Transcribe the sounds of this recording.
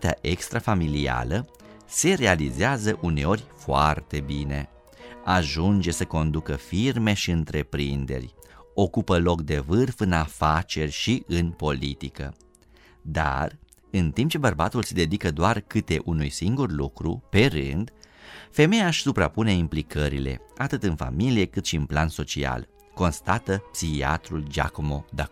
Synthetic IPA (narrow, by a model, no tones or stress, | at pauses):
t̪ea̰ʔekst̪ɾafamilia̰lə | se̞ɾe̞alizeazəʔune̞o̞rʲfoa̰rt̪e̞bine̞̰ | aʒund͡ʒe̞səko̞nd̪ukəfirme̞ʃiɨnt̪ɾe̞pɾind̪e̞̰rʲo̞kupəlo̞k̚d̪e̞vɨrfɨnafat͡ʃe̞rʲʃiʔɨnpo̞lit̪ikə̰ | d̪a̰r | ɨnt̪impt͡ʃe̞bərbat̪ulsed̪e̞d̪ikəd̪oarkɨt̪e̞ʔunujsiŋɡurlukɾṵpe̞ɾɨ̰nd̪fe̞me̞jaʃʲsupɾa̰pune̞implikəɾile̞̰at̪ɨt̪ɨnfa̰milije̞kɨt̪ʃiɨnplanso̞t͡ʃia̰l | ko̞nst̪at̪əpsixia̰t̪ɾuld͡ʒa̰komo̞d̪a